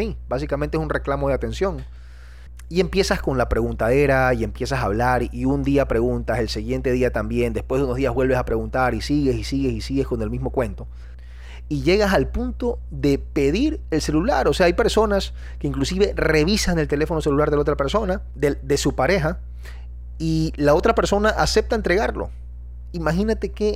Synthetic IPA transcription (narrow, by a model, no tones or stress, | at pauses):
ibasikamẽnt̪es̬unre̞klamo̞ð̞eat̪e̞nsjo̞ŋ | ie̞mpje̞sasko̞nlapɾe̞ɣunt̪aðe̞ɾaie̞mpje̞sasaːβlaɾiund̪iapɾe̞ɣunt̪ase̞lsiɣje̞nt̪e̞ð̞iat̪ambje̞nd̪espwe̞zðuno̞zðiazβbwelβe̞sapɾe̞ɣunt̪aɾisiɣe̞sisiɣe̞sisiɣe̞sko̞nelmizmo̞kwe̞nt̪o̞ | iʝe̞ɣasalpunt̪o̞ðe̞pe̞ðiɾelse̞lula̰ɾo̞se̞aajpe̞ɾso̞nas | ke̞iŋklusiβe̞re̞β̞isane̞lt̪ele̞fo̞no̞se̞lulaɾðelao̞t̪ɾape̞ɾso̞na | ðed̪e̞supaɾe̞xa | ilao̞t̪ɾape̞ɾso̞naʔase̞p̚t̪aent̪ɾe̞ɣaɾlo̞̰ | imaxinat̪e̞ke